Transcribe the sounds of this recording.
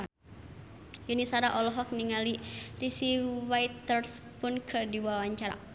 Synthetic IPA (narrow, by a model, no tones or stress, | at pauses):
junisaɾaʔɔlɔɦɔk̚niŋalirisiwajt̪ɔrs | pʊnkʰərdiwawaɲt͡ʃaɾa̰